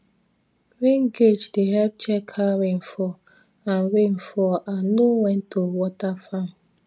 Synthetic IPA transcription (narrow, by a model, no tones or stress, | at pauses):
ɾiŋɡed͡ʒdeɦɛlp̚t͡ʃɛkʰaɾɪn̩fɔ | an̩ɾen̩fɔʔanoŋʷɛn̩towɔtafam̩